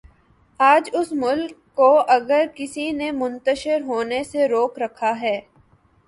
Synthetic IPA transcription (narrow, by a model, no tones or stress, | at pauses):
aːd͡ʒʊsmʊlkːoɐɡəɾkɪsinemʊ̃nt̪əʃɪɾɦoːneseɾoːkɾɐkʰaɦɛː